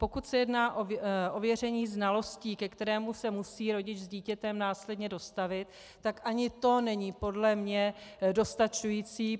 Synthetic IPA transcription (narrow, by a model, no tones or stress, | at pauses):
po̞kut̪sɛjɛdnaːʔoʔo̞vjɛr̝ɛɲiːznalo̞sciːkɛkt̪ɛɾɛːmusɛmusiːɾo̞ɟɪt͡ʃzɟiːcɛt̪ɛmnaːslɛdɲɛdo̞st̪avɪt̪ː | akʔaɲɪt̪o̞nɛɲiːpo̞dlɛmɲɛdo̞st̪at͡ʃujiːt͡siː